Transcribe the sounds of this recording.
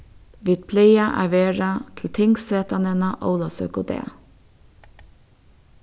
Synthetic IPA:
ʋɪt̪̚pʰleɪɑʔæ̰ʋeːɹɑt̪ʰl̩t̪ʰɪŋɡseːt̪ɑnənɑʔo̰ʊlɑsœ̰kʊd̪ḛː

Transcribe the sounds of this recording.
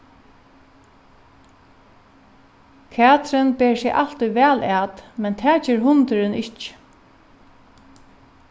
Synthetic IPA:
kʰæːt̪ɾɪnbeːɹsɛʔal̥t̪ujʋæːlæːt̪mɛnt̪ʰæːt͡ɕɛːɾɦʊnt̪ɪɾɪnɪht͡ʃ

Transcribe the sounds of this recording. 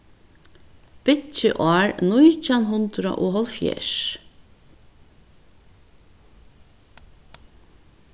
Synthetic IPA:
b̥ɪt͡ʃɪʔɑːɹnʊjt͡ʃanɦʊnt̪ɾa̰ʔoːɦɔlfjḛːʂ

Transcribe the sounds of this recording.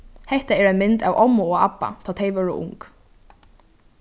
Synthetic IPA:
hɛht̪aɛɾajnmɪnt̪awʔɔmʊɔɣapːa̰t̪ʰaːt̪ʰɛjʋœːɾɪʔʊ̰ŋk

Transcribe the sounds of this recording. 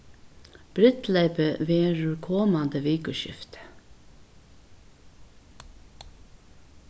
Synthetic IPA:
b̥ɾɪt̪leɪpəʋeːeɹʉɹkʰɔːmɑnd̪əʋeːkəʃɪ̰ft̪

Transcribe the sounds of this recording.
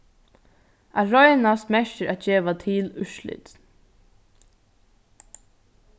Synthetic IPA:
aɾɔjnast̪mɛʃəɾat̪̚d͡ʒeːʋat̪ʰɪːlʏʃlɪ̰t̪

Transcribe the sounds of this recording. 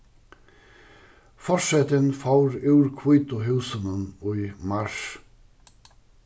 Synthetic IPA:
fɔʃɛt̪ənfɑʊɾʉːɹkʰwuːt̪ʊɦʉːsənənoːiːmɑʃ

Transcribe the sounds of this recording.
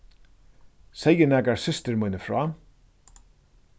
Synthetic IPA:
sɛjːɪnɛːkaɾsʏst̪ɪɾmujnɪfɾɔː

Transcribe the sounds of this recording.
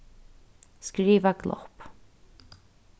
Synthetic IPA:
skɾiːvaɡlɔ̰hp

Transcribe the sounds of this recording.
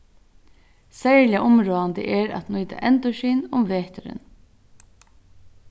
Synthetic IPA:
sæɹlɪaʔʊmɾoːand̪ə̰ʔɛɾa̰t̪nujt̪a̰ʔɛnt̪ɔʃiːnʊmʋeːht̪ʏɾɪ̰n

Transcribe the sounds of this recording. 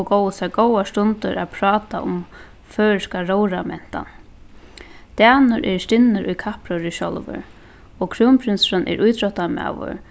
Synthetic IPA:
kowəsaɡowast̪ʊnt̪ʊɾaðpʰɾɑːt̪aʔʊm | fœːskaɾowɾamɛn̥t̪a̰n | t̪aːnʊɾʔɛɾst̪ɪnːɪɾʔʊjkʰapɾʊɾiʃɔlvɪ̰ɾ | ɔkʰɾumpʰɾɪnsɾanʔɛ̰ɾʔujt̪ɾɔht̪ama̰ʋʊ̰ɾ

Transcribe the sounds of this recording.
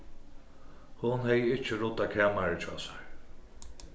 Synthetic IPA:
hʊnhɛjɪt͡ʃːəɾʊt̪ːakʰɛːmaɹɪt͡ʃʰɔ̰ːsḁɹ

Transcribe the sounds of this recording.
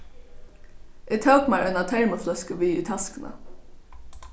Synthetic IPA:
ʔɪt̪ʰœːkmaɹʔœnat̪ʰɛɹməflœskəʋiʏt̪ʰɑskənə̰

